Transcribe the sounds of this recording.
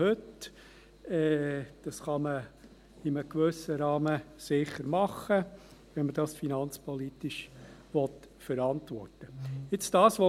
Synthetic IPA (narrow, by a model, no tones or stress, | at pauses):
hɵt | ɛːd̥ɑsχɑmə | ɪməkʋɵsəɾɑːməsɪχəɾmɑχəʋɛnməd̥ɑsfinɑnt͡spʰɔlit̪ɪʃʋɔt̪ | fəɾɑntʋɔ̰rtəɪt͡sd̥ɑːsʋo